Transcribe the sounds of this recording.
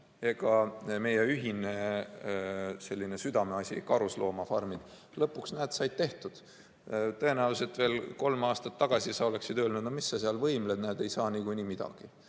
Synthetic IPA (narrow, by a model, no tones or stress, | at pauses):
e̞ɡɑme̞jeyɦine | se̞lʲːine̞syd̪̥ɑmeɑsʲḭkɑɾuslo̞ːmɑfɑrmid̪̥ | lɤpːˑuksnæːt̪sɑjd̪̥̚t̪e̞ht̪ud̪̥ | t̪ɤe̞næuse̞t̪ːve̞ːlko̞lmɑːst̪ɑ̥t̪ːɑɡ̥ɑsʲisɑo̞le̞ksid̪øːlnud̪̥nomisːɑseɑlvɤjmled̪næːd̪̥e̞jsɑːnikujnimid̪̥ɑ̰ɡ̥i